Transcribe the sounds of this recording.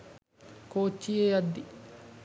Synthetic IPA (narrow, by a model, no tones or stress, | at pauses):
koːt͡ʃːijejɐd̪ːi